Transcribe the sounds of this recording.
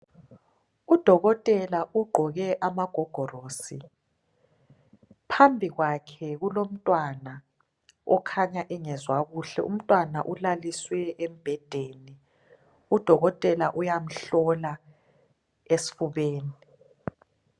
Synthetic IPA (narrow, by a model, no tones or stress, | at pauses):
ud̥ʱɔɣɔtʼɛlaʔuɡ͡ǃʱɔɣɛʔamaɡ̥ʱɔɡ̥ʱɔroːsi | pʰambʱiɣwakʰɛɣulom̩tʼwana | ɔkʰaɲaʔɛŋɛzwaɣuɬɛ̰ʔum̩tʼwana̰ʔulaliswɛem̩b̥ʱɛd̥ʱeːni | ud̥ʱɔɣɔtʼɛlaʔujam̩ɬɔla | esi̥fuβeːni